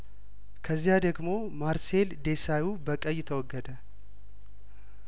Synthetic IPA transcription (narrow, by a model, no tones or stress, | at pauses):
kʰəzːijad̪əɡmo̞ | maɾse̞ld̪e̞sajubəkʼəjːɪt̪ʰəwɔɡːəd̪ə